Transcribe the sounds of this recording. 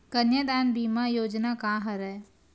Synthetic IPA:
kənjəd̪aːnbiːmajoːd͡ʒnakãːɦɐɾɛ

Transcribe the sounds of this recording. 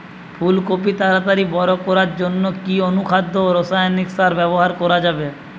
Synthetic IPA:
pʰulkop̬it̪aɾat̪aɾibɔɾokɔɾaɾd͡ʑonːokionukʰad̪ʱːooɾosajoniksaɾbɛboɦaɾkɔɾad͡ʑabe

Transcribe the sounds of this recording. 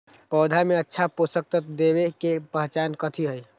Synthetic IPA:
pəwd̪ʱameətːʃʰaposək̚t̪ət̪d̪eβekepəɦt͡ʃankət̪ʰiɦəj

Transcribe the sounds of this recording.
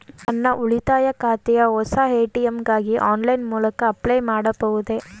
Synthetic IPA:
ɐnːɐʔuɭit̪aːjɐkaːt̪ɛjɐɔsaːeːʈijemɡaːɡiʔaːnlɐjnmuːlɐkɐɐplɐjmaːɽɐbɐʋud̪e̞

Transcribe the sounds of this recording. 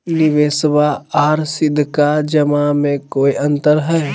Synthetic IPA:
nɪʋeːsʋaaːɾsɪd̪ʱkad͡ʒəmamẽkoːiʔə̃nt̪əɾɦɛː

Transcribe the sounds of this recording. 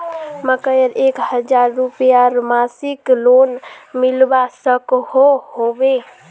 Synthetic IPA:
məkəjəɾekhəd͡ʒaɾːupjaɾmasiklonmilbasəkhohobe

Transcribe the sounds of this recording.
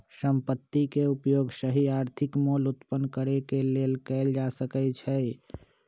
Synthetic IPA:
səmpət̪ːikeupjoɡsəɦiaɾt̪ʰikmolut̪pənkəɾekelelkəɪld͡ʒasəkɛt͡ʃʰəj

